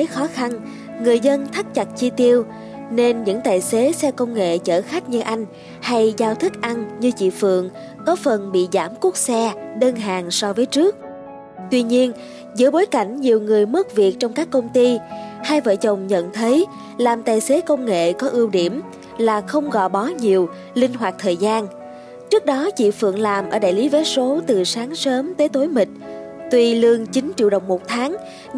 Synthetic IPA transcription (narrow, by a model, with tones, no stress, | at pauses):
xɔ˨˦xa˧n | ŋɨ˨˩əjzə˧nt̪ʰa˦˥k̚t͡ɕa˨˩t̚t͡ɕi˧t̪i˧əw | ne˧nɲɨ̰˧˥ŋt̪aː˨˩jse˨˦sɛ˧kə˧wŋ͡mŋḛ˧˨t͡ɕə̰ː˧˩xa˦˥k̟̚ɲɨ˧ʔa˧jŋ̟ | ha˧jzaː˧wt̪ʰi˦˥k̚ʔa˧nɲɨ˧t͡ɕḭ˧˨fɨ̰˧˨əŋ | kɔ˨˦fə˨˩nɓḭ˧˨zaː˧˩mku˦˥ək̚sɛ˧ɗəː˧nɦaː˨˩ŋsɔ˧vəː˨˦jt͡ɕɨ˦˥ək̚ | t̪wi˧ɲi˧ən | zɨ̰˧˥əɓo˨˦jka˧˩jŋ̟ɲi˨˩əwŋɨ˨˩əjmə˦˥t̚vi˨˩ək̚t͡ɕɔ˧wŋ͡mkaː˦˥kːə˧wŋ͡mt̪i˧haː˧jvə̰ː˧˨t͡ɕə˨˩wŋ͡mɲə̰˧˨nt̪ʰə˨˦j | laː˨˩mt̪aː˨˩jse˨˦kə˧wŋ͡mŋḛ˧˨kɔ˨˦ʔi˧əwɗi˧˩əm | laː˨˩xə˧wŋ͡mɣɔ̰˧˨jɓɔ˨˦ɲi˨˩əw | lï˧ŋ̟ɦwaː˨˩k̚t̪ʰəː˨˩jzaː˧n | t͡ɕɨ˦˥k̚ɗɔ˨˦t͡ɕḭ˧˨fɨ̰˧˨əŋlaː˨˩mʔəː˧˩ɗa̰ː˧˨jli˨˦ve˨˦so˨˦t̪ɨ˨˩saː˨˦ŋsəː˨˦mt̪əː˨˦jt̪o˨˦jmï˨˩k̟̚ | t̪wi˧lɨ˧əŋt͡ɕï˨˦ŋt͡ɕḭ˧˨əwɗə˨˩wŋ͡mmo˨˩t̚t̪ʰaː˨˦ŋ